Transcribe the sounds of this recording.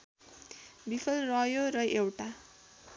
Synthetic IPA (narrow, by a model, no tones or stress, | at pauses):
bipʰʌlrʌjoɾʌʔewʈa